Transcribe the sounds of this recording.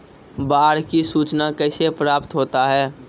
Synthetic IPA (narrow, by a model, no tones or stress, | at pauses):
baːɽkisuːt͡ʃnakɛɪsepɾaːpt̪ɦoːt̪aɦɛː